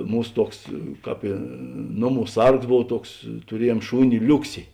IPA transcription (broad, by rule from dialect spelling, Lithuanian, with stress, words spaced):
ˈmuːs ˈtuɔks ˈkɑːp ɪ ˈnoːˌmuː ˈsɐrks ˈboːw ˈtuɔks tʊˈrʲiɛˌjuɔm ˈʃuːnʲɪ ˈlʲʊksʲɪ